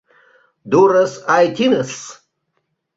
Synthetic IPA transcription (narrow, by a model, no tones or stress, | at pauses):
durɨsajtʰinɨs